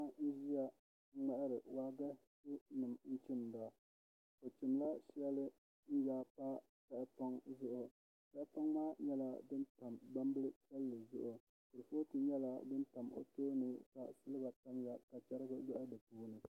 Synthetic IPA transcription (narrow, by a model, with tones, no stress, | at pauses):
a˦n̩˦ʒi˦ja˦ | ŋ͡ma˨ʔɪ˦ɾɨ˨wa˦ɡa˦tu˦nɨ˨mn̩˦t͡ʃɪ˦nda˨ | ko˨t͡ʃi˨mla˦ʃɛ˦lɨ˦ | n̩˦jaː˦pa˦ | ta˦˨ʔɪ˦pa˦ŋzʊ˦ʔʊ˨ | ka˦ʔpa˦ŋmaː˦ɲɛ˦la̰˦dɨ˦nta˨mba˦mbɨ˦lɨ˦sa˦lːɨ˨zʊ̰˦ʔʊ˨ | kɨ˨ɾɨ˨fo˦tɨ˦ɲɛ˦la˨dɨ˦nta˨mo̰˦toː˦nuː˦ka˨sɨ˦lɨ˦ɡa˨ta˦mja˨ka˨t͡ʃa˦ɾɨ˦ɡɨ˦jɔ˦ʔa˦dɨ˨puː˦nɨ˨